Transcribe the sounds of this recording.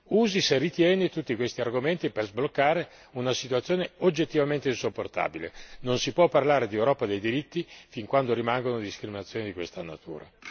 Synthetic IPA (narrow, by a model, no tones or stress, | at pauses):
uːziserːit̪jɛːnet̪ut̪ːikwest̪iarɡoment̪iperzblokːaːɾe | unasit̪uat̪sːjoːneod͡ʒːet̪ːivament̪einsopːort̪a̰ːbilḛnonsipwɔpːarlaːɾed̪iewɾɔːpad̪ejd̪iɾit̪ːifiŋkwand̪oɾimaŋɡonod̪iskɾiminat̪sːjoːned̪ikwest̪ana̰t̪ṵːɾa̰